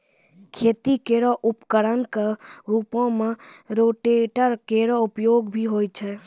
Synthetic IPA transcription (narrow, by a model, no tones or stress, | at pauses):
kʰeːt̪ikeɾɔʔʊpkəɾənkaɾupõmẽɾoʈeʈəɾkeɾɔʊpjoɡbʱiɦoːjt͡ʃʰɛ